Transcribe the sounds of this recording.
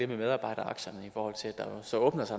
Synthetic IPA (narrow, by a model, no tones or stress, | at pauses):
ememeð̞ˠɑ̈ːb̥ɑ̈ɪ̰ɾ̥ɐɑ̈ɡ̥ɕɐnəifɒːhɒ̽l̰t͡sʰe̝læd̥ɑ̈sɒ̽ɔ̽ːb̥nɐsɑ̈ɪ